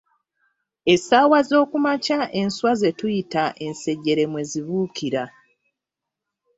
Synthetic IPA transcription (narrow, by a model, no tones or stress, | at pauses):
e̞saːwazo̞ːkumacaʔe̞nswazetujitaʔe̞nse̞ɟe̞ɾe̞mwe̞ziβuːkiɾa